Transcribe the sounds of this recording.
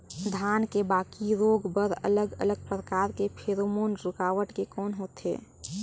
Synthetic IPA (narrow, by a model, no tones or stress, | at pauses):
d̪ʱaːnkebaːkiɾoːɡbəɾə̰ləɡə̰ləɡ̚pɾəkaːɾkepʰeɾomoːnɾʊkaːʋəʈkekɔːnɦoːt̪ḛː